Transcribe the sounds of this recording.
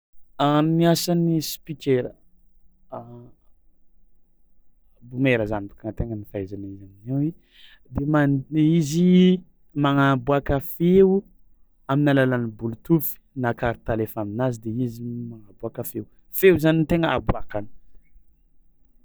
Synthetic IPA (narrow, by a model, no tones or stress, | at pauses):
aniasanispikʲeɾə | bumeɾəzanibḁkaŋt̪eŋənifajzanaizaninewi | d̪emaizi | maŋabuakəfeu | aminalalanibulut̪ufi̥nakaɾit̪alefaminazid̪eizimaŋabuakəfew | fewzanit̪eŋəabuakani̥